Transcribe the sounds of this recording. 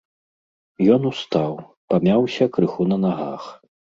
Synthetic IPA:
jɔnust̪aw | pamʲawsʲɐkɾɨxunɐnaɣa̰x

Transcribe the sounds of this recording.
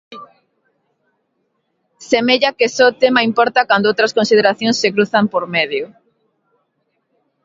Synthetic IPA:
semeʎakesot̪emaimpɔɾt̪akand̪oowt̪ɾɐskonsið̞eɾaθjõnsːekɾuθampoɾmeðjʊ

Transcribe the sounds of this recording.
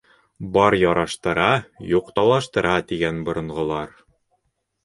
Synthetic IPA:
bɑɾjɑɾɑʃt̪ɤ̆ɾɑjuqt̪ɑlˠɑʃt̪ɤ̆ɾɑt̪iɡænbŏɾɤ̆ɴʁŏlˠɑɾ

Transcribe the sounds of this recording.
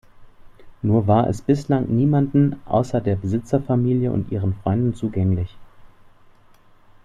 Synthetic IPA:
nuːɐvaːɐʔɛ̰sb̥ɪslaŋniːmandn̩ʔa̰ʊsɐdeːɐbəzɪt͡sɐfamiːljəʔʊ̰ntʔiːʁ̞ənfʁ̥ɔʏndn̩t͡suːɡɛŋlɪç

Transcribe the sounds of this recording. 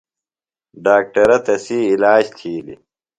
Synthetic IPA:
ɖaːk̚ʈɐɾɐt̪ɐsiːlaːd͡ʑt̪ʰiːlḭ

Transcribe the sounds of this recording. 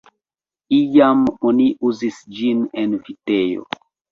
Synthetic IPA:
ijamoniʔuzisd͡ʒinenfitejo̰

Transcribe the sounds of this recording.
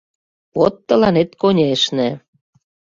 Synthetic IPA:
βot̪ːə̆lɑnet̪konʲeʃnĕ

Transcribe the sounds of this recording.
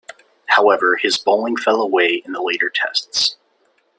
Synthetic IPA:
haʊɛvə˞ɨzboʊlˠɪ̃ŋfɛlˠəweɪɨ̃nðəleɪɾə˞tʰɛ̰sts

